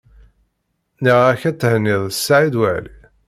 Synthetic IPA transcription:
niʁæçæt͡sːhənːiðˤsːaʕid̪wəʕlḭ

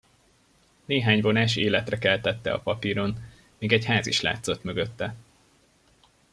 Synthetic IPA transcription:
neːɦaːɲvo̞naːʃeːlɛt̪rɛkɛlt̪ɛt̪ːɛ̰ɒ̰pɒpiːɾo̞n | miːɡɛɟhaːziʃla̰ːt̪so̞t̪møɡøt̪ːɛ

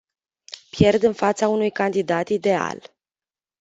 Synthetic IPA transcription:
pje̞rd̪ɨnfat̪saunujkand̪id̪at̪id̪e̞a̰l

